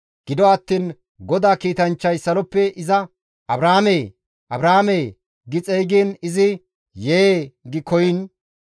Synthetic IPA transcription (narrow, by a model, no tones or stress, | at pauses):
ɡ̥ɪd̪ɔɐt̪ːiːn | ɡɔd̪aːkiːt̪ɐnt͡ʃːɐjsɐlɔpːɛʔɪzɐ | ʔɐbɾaːmej | ʔɐbɾaːmej | ɡɪt͡sʼɛjɡiːnɪzɪ | jeːɡɪkɔjɪn